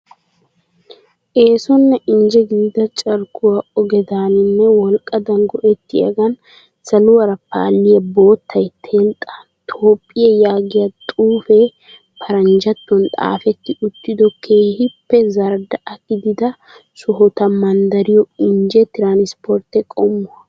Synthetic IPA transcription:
ʔe̞ːsɔnːɛʔɪnd͡ʒɛɡiːd̪ɐt͡ʃʼɐɾkʊwɐɔɡɛd̪aːnɪnːɛwɔlkʼːɐd̪ɐŋɡɔʔɛt̪ːɪɐ̰ɡɐn | sɐlʊwɐɾɐpa̰ːlːɪjɐboːt̪ʰːɐjt̪ʰeːlt̪ʼːɐ̥ | t̪ʰoːpʼːɪjɐjaːɡɪjɐt̪ʼuːfɛ | pʰɐɾɐnd͡ʒɐt̪ːɔnt̪ʼa̰ːfɛt̪ːɪʊt̪ːɪd̪ɔkʰeːhɪpːɛzɐɾd̪ɐʔɐkɪd̪ɪd̪ɐ | sʊɦɔt̪ɐmɐnd̪ɐɾɪjɔɪnd͡ʒɛt̪ɪɾaːnɪspʰɔɾt̪ɛkʼɔmːʊɐ

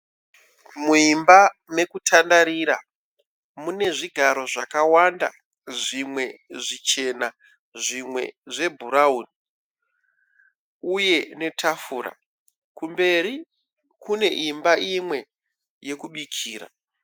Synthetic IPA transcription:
muimbame̞kutʰandaɾiɾa̰ | mune̞ʐiɡʱaɾo̞ʐakawanda̰ | ʐimwe̞ʐit͡ʃe̞na | ʐimwe̞̰ʐe̞bʱuɾauni | uje̞ne̞tʰafuːɾa̰ | kumbe̞ɾi | kune̞ʔimbaʔimwe̞ | je̞kuɓikʰiːɾa̰

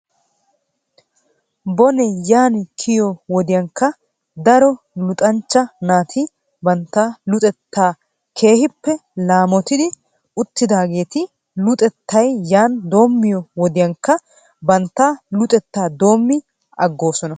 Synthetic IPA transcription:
bɔnɛjaːnkʰɪjɔwɔd̪ɪjɐŋkːɐ | d̪ɐɾɔ | lʊt̪ʼɐnt͡ʃːɐnaːt̪ʰi | bɐnt̪ːaːlʊt̪ʼɛt̪ːaː | kʰe̞ːhɪpːɛlaːmɔt̪ɪd̪ɪ | ʊt̪ːɪd̪aːɡe̞ːt̪ɪ | lʊt̪ʼɛt̪ːɐjjaːnd̪o̞ːmːɪjɔwɔd̪ɪjɐŋkːɐ | bɐnt̪ːaːlʊt̪ʼɛt̪ːaːd̪o̞ːmːɪ | ʔɐɡːo̞ːsɔnɐ

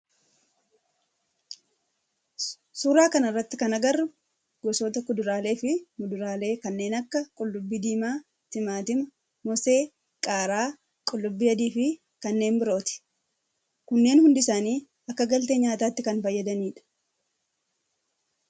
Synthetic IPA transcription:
suːɾaːkɐnɪrːɐt̪ːɪkɐnɐɡɐrːʊ | ɡɔsoːt̪ɐkʊd̪ʊɾaːle̞ːfɪmʊd̪ʊɾaːle̞ːkɐnːe̞ːnɐkːɐkʼʊlːʊbːid̪iːmaː | t̪ɪmaːt̪ɪmɐ | mɔse̞ː | kʼaːɾaː | kʼʊlːʊbːiːɐd̪iːfɪ | kɐnːe̞ːnbɪɾo̞ːt̪ɪ̥ | kʊnːe̞ːnhʊnd̪ɪsaːniː | ɐkːɐɡɐlt̪eːɲaːt̪aːt̪ːɪkɐnfɐjːɐd̪ɐniːᶑɐ̥

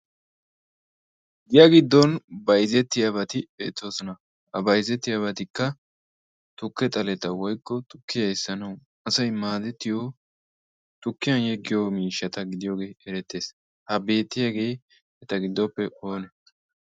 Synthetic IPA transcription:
ɡɪjɐɡɪd̪ːɔnbɐjzɛt̪ːɪjɐbɐt̪ɪbeːt͡s̪ːoːsɔnɐ | hɐbɐjzɛt̪ːɪjɐβɐt̪ɪkːɐ | t̪ʊkːɛt̪ʼɐlɛt̪ɐwɔjkʼːɔt̪ʊkːɪjɐjsːɐnɐw | ɐsɐjmaːd̪ɛt̪ːɪjo | t̪ʊkːɪjɐnjɛɡːɪjomiːʃːɐt̪ɐɡɪd̪ɪjo̞ːɡe̞ːʔɛɾɛt̪ːe̞ːs | hɐbe̞ːt̪ːɪjɐɡe̞ː | ɛt̪ɐɡɪd̪ːɔpːɛʔo̞ːnɛ

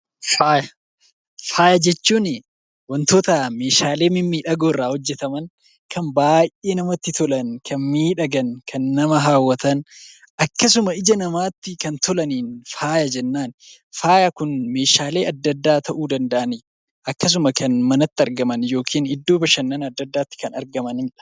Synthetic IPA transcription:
faːjɐ | faːjɐd͡ʒɛt͡ʃːuːnɪ | wɐnt̪oːt̪ame̞ːʃaːle̞ːmɪmːiːᶑɐɡoːrːaːhɔd͡ʒːɛt̪ɐmɐn | kɐnbaːjʔʔe̞ːnɐmɐt̪ːɪt̪ɔlɐnkʰɐnmiːᶑɐɡɐnkʰɐnːɐmɐɦaːwːɐt̪ɐn | ʔɐkːɐs̬ʊmɐɪd͡ʒɐnɐmaːt̪ːɪkɐnt̪ɔlɐniːnfaːjɐd͡ʒɛnːaːn | faːjɐkʊnme̞ːʃaːle̞ːʔɐd̪ːɐd̪ːaːt̪ɐʔuːd̪ɐnd̪ɐʔɐnɪ | ʔɐkːɐs̬ʊmɐkʰɐnmɐnɐt̪ːɪɐɾɡɐmɐnjo̞ːkʰiːnɪd̪ːo̞ːbɐʃɐnːɐnɐd̪ːɐd̪ːaːt̪ːɪ̥kɐnɐ̰ɾɡɐmɐnɪᶑɐ̥

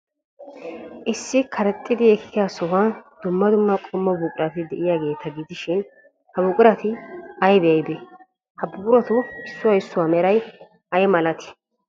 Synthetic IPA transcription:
ʔɪsːɪkʰɐɾɛt̪ʼːɪd̪ɪɛkkɪjasɔwɐnd̪̥ʊmːɐd̪ʊmːɐkʼɔmːɐbuːkʼɪɾɐt̪ɪd̪ɛʔɪjaːɡe̞ːt̪ɐɡɪd̪ɪʃɪn | hɐbʊkʼɪɾɐt̪ɪɐjd̪ɛjɐjd̪ɛ | hɐbʊɡʊɾɔt̪ʊɪsːʊwɐɪsːʊwamɛɾɐj | ɐjɛmɐlɐt̪ɪ̥

